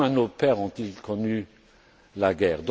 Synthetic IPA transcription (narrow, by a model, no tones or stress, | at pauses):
ɛ̃nopɛʁɔ̃t̪ilkɔny | laɡɛːʁd̪